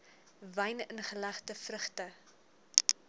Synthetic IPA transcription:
vɛjnənχəlæχtəfrəχtə

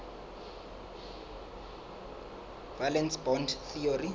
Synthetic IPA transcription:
v̥alɛnsbɔndθiori

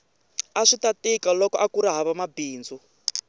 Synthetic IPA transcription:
aʂitatikalɔkɔʔakuɾaɦaβamabiːnd͡zɔ

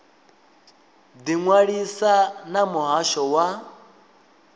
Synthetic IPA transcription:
d̪iŋwaɺisanamuɦaʃɔwa

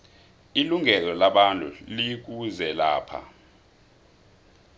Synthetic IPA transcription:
iluŋɛlɔlaɓantʼṵlik̬uzɛlaːpʰa̰

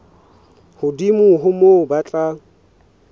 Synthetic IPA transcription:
hʊdimʊɦʊmobat͡ɬʼa

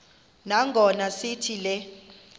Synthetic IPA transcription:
naŋɡʱɔnasitʰilɛ

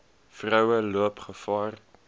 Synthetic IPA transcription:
frəwəluəpχəfɑːr

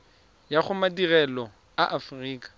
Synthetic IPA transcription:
jaχʊmadirɛlɔ | aʔafriːkʼḁ

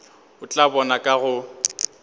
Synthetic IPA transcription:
ʊt͡ɬʼabɔnakʼaɣʊ

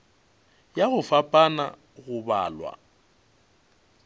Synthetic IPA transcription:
jaɣʊfapʼana̰ | ɣʊbaːlwa̰

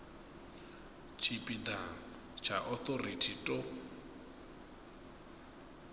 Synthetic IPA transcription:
t͡ʃʰipʼid̪a | t͡ʃʰaʔɔt̪oritʰitʼo

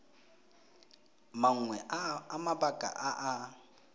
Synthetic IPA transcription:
maŋ̩ŋwɛamabakʼa̰ʔaʔa

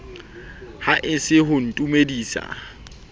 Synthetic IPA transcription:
haʔɪsɪɦʊn̩tʼumediːsa̰

